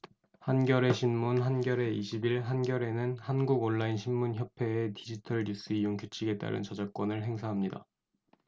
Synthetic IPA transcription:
hanɡjʌɾe̞ɕʰinmunɦanɡjʌɾe̞iɕʰibiɭɦanɡjʌɾe̞nɯnhanɡuɡonːainɕʰimmunçjʌpʰe̞ːtid͡ʑitʰʌɭɲus͈ɯijoŋkut͡ɕʰiɡe̞t͈a̰ɾɯ̰nt͡ɕʌd͡ʑak̚k͈wʌnɯɭɦe̞ŋsʰaɦamɲida̰

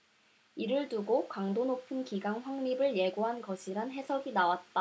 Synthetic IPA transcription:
iɾɯɭduɡokaŋdonopʰɯnkiɡaŋɸwaŋmibɯɭje̞ɡoɦanɡʌɕʰiɾanɦe̞sʰʌɡinawat̚t͈a

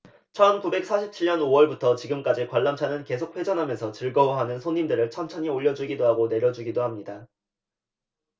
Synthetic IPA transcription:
t͡ɕʰʌnkube̞k̚s͈ʰaɕʰip̚t͡ɕʰiɭɲʌnowʌɭbutʰʌt͡ɕiɡɯmk͈ad͡ʑikwaɭːamt͡ɕʰanɯnke̞sʰok̚ʰɸwe̞d͡ʑʌnɦamjʌnsʰʌt͡ɕɯɭɡʌwɦanɯnsʰoɲːimdɯɾɯɭt͡ɕʰʌmt͡ɕʰʌɲioʎːʌd͡ʑuɡidoɦaɡone̞ɾjʌd͡ʑuɡidohamɲida

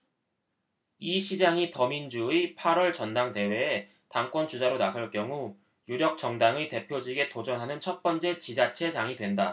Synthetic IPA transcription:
iɕʰid͡ʑaŋitʌmind͡ʑuipʰaɾwʌɭt͡ɕʌndaŋde̞we̞ː | taŋk͈wʌnt͡ɕud͡ʑaɾonasʰʌɭk͈jʌŋu | juɾjʌk̚t͡ɕ͈ʌŋdaŋɯte̞pʰjod͡ʑiɡe̞tod͡ʑʌnɦanɯnt͡ɕʰʌt̚p͈ʌnt͡ɕ͈e̞t͡ɕid͡ʑat͡ɕʰe̞d͡ʑaŋidwe̞nda

